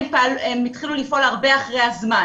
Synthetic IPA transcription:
mpalemit̪χilulifo̞laʁbe̞aχʁejazma

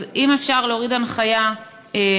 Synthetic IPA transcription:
imefʃaʁleoʁidanχaja | e

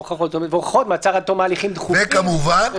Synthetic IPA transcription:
oχaχot̪omvoχḁχot̪mat͡saʁat̪omaːliχimd̪χuekamuvan

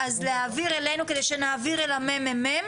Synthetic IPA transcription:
azleaviʁele̞nuked̪e̞jʃenaːviʁelamememem

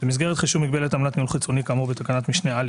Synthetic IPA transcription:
b̥emizɡeʁet̪χiʃuvmiɡ̚be̞let̪amnat̪niulχit͡so̞nikamobet̪akanat̪miʃneal

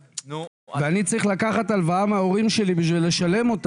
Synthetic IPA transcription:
veanit͡saʁiχlakaχat̪alvaamaoʁimʃe̞libiʃvilːe̞ʃale̞mo̞t̪

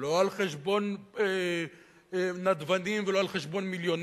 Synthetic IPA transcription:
loalχeʃbo̞ne | nad̪vanimveloalχeʃbo̞nmiljo̞n

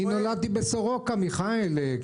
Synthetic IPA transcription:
inolad̪̚t̪ibesoʁokamiχael

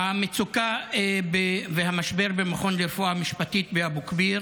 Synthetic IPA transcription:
hamet͡sukaebeveɦamaʃbe̞ʁbemaχo̞nlefoamiʃpatit̪̚beabukbiʁ

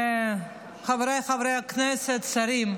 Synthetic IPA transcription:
χavɾejχavɾejaknɛsɛt̪saɾim

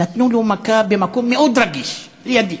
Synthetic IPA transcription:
at̪nulumakabimakumːiʔud̪ɾaɡiʃ | lijad̪i

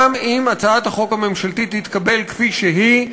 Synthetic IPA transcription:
mimat͡saat̪haχo̞khame̞mʃalt̪it̪hit̪kabe̞lkfiʃeɦi

